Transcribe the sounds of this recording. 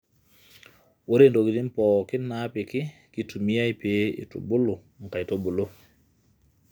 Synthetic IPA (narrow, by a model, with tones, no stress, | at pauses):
wo˦ɾe˦ndo˨ɡi˨di˦npɔ˨ki˦na˦pi˨ki˦ki˨tu˨mi˦ja˦jpe˨˦ḭ˨tṵ˨bu˦lu˨ | ŋ̩˨ka˨jto˦bu˨lo˦